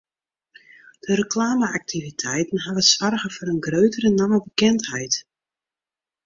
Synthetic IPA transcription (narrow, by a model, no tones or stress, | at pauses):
d̥əɾəklaːməak̚tʰivitʰɛjtən̩ɦavəsʋarɣəfɔɾənɡrøɥtəɾənaməbəkɛnthɛjt